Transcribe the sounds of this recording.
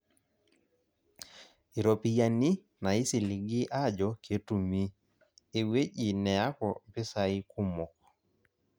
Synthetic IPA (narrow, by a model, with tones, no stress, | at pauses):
i˨ɾo˨pi˨ja˨ni˦ | na˨i˦si˨li˨ɡɪ˦ʔa˦d͡ʒɔ˨ke˨˦tu˨mi˦ | e˨we˦d͡ʒi˨nɛ˨a˦kɔ˨pɪ˦sa˨i˦ku˦mo˨kɔ˨